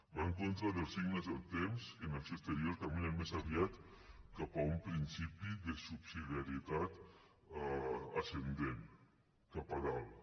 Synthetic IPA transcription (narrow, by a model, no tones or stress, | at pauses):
baŋkont̪ɾaðelˠsiɡnezalt̪emskenasest̪eɾjoɾt̪amenelmesaβjat̪kapaumpɾinsipiðesupsiðijaɾiet̪at̪ | asend̪en | kapaðal